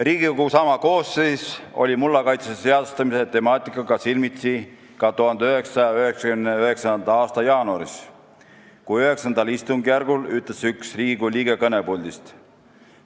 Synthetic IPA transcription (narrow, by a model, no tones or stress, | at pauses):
riːɡ̥ikoɡusɑmɑko̞ːsːeːso̞̰lʲimulːɑkɑjt̪sesese̞ɑd̪u̥st̪ɑmiset̪e̞mɑːt̪ːˑikːˑɑɡ̥ɑsilmit̪si | kɑt̪uɦhɑnd̪eøɦe̞ksɑjɑøhe̞ksɑkymneøhe̞ksɑnd̪ɑɑːst̪ɑjɑːnuɑ̰ɾis | kuøɦe̞ksɑnd̪ɑlist̪uŋɡjærɡ̥ulyt̪ˑlesyksriːɡ̥uliːɡe̞kɤne̞puld̪ist̪